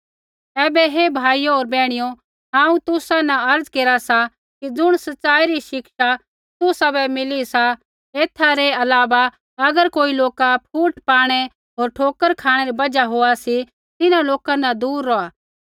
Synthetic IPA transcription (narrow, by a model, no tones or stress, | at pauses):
ɛːbɛɦebʱaːijooːɾbɛːɽ̃ɪjo | ɦãːũt̪ʊsanaɐɾd͡zkeːɾasa | kid͡zʊɽ̃sɐtːsaːiɾiʃɪkʃa | t̪ʊsabɛmɪlisa | eːt̪ʰːaɾeɐlaːʋa | ɐɡəɾkoːiloːkapʰuːʈpaːɽ̃e | ɦoːɾʈʰoːkəɾkʰaːɽ̃eɾibɐd͡ʒaɦoːasi | t̪ɪnãloːkanɐd̪uːɾːoaː